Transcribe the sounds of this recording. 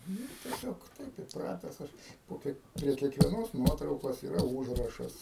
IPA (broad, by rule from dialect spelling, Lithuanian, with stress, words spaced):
ˈnʊ tʲiɛˈsʲoːk ˈtɐɪp iːpˈrɑːtʲɛs ˈɐʃ poː ˈkʲiɛk pʲrʲiɛ kʲiɛkʋʲiɛˈnoːs ˈnuɔtrɐʊkoːs iːˈrɐ ˈuːʒrɐʃɐs